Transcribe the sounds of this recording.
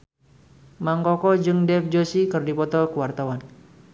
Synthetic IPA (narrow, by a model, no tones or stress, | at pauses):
maŋkɔkɔd͡ʒɨŋdɛf̚d͡ʒosikɨrdipɔt̪ɔkəwart̪awan